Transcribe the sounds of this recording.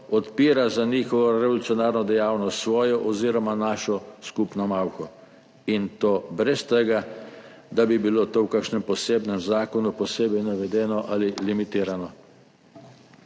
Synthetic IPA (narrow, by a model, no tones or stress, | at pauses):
ɔt̪piːɾazaniːxɔʋɔɾɛʋɔlut̪sjɔnaːɾnɔd̪ɛjaːwnɔst̪sʋɔːjɔʔɔziːɾɔmanaːʃɔskupnɔmawxɔ | int̪oːbɾɛst̪ɛɡa | d̪abibilot̪oːwkakʃnɛmpɔseːbnɛmzaːkɔnupɔseːbɛjnaʋɛd̪ɛːnɔʔalilimit̪iːɾanɔ